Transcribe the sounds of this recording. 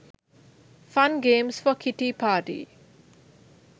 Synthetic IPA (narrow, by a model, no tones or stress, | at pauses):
fãnɡẽːmsfɔkʰiʈiːpʰaːʈḭː